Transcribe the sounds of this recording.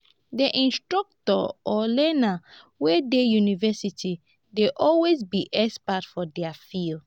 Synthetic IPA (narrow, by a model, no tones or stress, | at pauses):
deʔĩnstɹɔk̚tɔ̰ɔlɛna | wɛdejunivɛsitʰi | deʔɔlwezbiʔɛspatfɔdɛafil